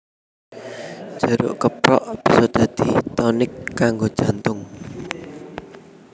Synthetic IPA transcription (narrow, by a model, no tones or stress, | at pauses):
d͡ʒ̥ə̤ɾʊ̰ʔkəpɾɔ̰ʔb̥i̤sɔd̪̥ä̤d̪̥i̤t̪ɔnɪkːaŋɡod̥ʒ̥a̤nt̪ʊŋ